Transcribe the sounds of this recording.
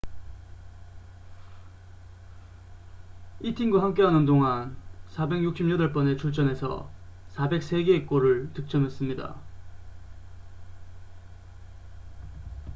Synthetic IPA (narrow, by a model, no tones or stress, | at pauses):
itʰiŋɡoɦamk͈e̞ɦanɯndoŋansʰabe̞ŋjuk̚ɕ͈imɲʌdʌɭp͈ʌne̞t͡ɕʰuɭt͡ɕ͈ʌne̞sʰʌ̰sʰabe̞k̚s͈e̞ɡe̞k͈oɾɯɭtɯk̚t͡ɕ͈ʌmes͈ɯmɲida̰